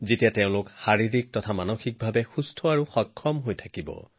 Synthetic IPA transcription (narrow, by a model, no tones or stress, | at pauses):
zetijateʊ̃lʊkxaɹiɹik̚tɔtʰamanoxik̚bʱabɛxustʰɔaɹuxɔkʰːɔmɦojtʰakibɔ̰